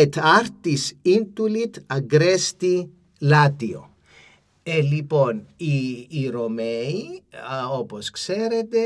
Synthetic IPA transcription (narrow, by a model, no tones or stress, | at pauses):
et̪ɐɾt̪isind̪ulit̪ɐɡɾest̪i | lɐt̪io̰ | eliponiːɾomei | oposkseɾet̪e